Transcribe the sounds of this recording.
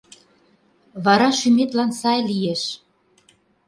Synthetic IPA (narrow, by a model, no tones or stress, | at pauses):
βɑɾɑʃymet̪lɑnsɑjlijeʃ